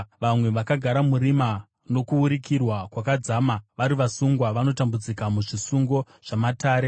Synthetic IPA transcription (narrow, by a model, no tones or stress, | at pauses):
ʋamwe̞ʋakaɡʱaɾamuɾima | no̞kuuɾikirwakwakad͡zamaʋaɾiʋasuŋɡwaʋano̞tambud͡zikamuʐisuŋɡo̞ | ʐ̥amataːɾe̞